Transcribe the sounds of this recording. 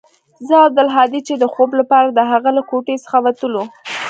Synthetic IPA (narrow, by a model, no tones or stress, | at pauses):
zəad̪alɦɑd̪it͡ʃed̪əxoblapɑɾad̪əɦaɣalakoʈesə̥xawat̪əlo